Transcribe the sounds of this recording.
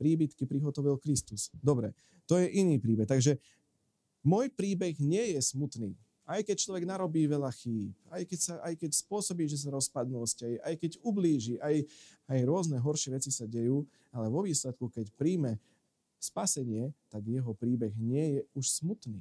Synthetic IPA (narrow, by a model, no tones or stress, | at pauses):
pɾiːbit̪kipɾiɦɔt̪ɔʋilkɾist̪usd̪ɔbɾɛ̰ | t̪ɔjɛʔiniːpɾiːbɛxt̪aɡʒɛ | mɔjpɾiːbɛɣɲɪɛjɛsmut̪niː | ajkɛc̚t͡ʃlɔʋɛɡnaɾɔbiːʋɛʎaxiːp̚ajkɛcsaʔajkɛcspʊɔsɔbiːʒɛs̬aɾɔspad̪nuɔscajʔajkɛɟubliːʒiʔajajɾʊɔznɛɦɔɾʃɪɛʋɛt͡sisaɟɛjuː | alɛʋɔʋiːslɛt̪̚kukɛcpɾiːmɛ | spasɛɲɪɛt̪aɡjɛɦɔpɾiːbɛɣɲɪɛjɛuʃsmut̪nḭː